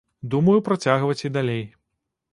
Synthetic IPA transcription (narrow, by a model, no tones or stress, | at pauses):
d̪umɐjupɾat͡sʲaɣvɐt͡sʲid̪alʲej